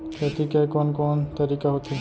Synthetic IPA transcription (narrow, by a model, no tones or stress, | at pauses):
et̪ʰikajkɔnkɔnt̪aɾikaɦot̪ʰi